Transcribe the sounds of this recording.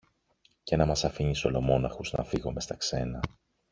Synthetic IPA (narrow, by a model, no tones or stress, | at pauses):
ce̞nɐmɐsɐfiɲisolo̞mo̞nɐxuznɐ̰fiɣo̞me̞st̪ɐkse̞nɐ